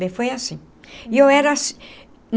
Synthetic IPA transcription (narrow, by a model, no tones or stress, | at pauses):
bẽfojasĩ | iewɛɾɐsi | n